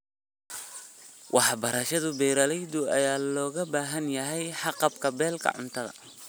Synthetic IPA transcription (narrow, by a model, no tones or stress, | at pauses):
wʔɑħbɐɾɐʃɐðʊbɛjɾɐlɛjd̪ʊɐjaːlɔːɣɐbaːɦɐnjɐɦɛjħɑqɑbkʰɐbɛːlkʰɐ̰ʕʊ̰nt̪ʰɐðɐ̰